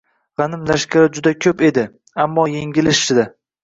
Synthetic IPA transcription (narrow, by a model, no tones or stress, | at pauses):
ʁɑnɪmlaʃkʲaɾd͡ʒʊd̪akʲʰɵpe̞d̪ɪ | amːɒjeŋɡʲɪlɪʃɪd̪a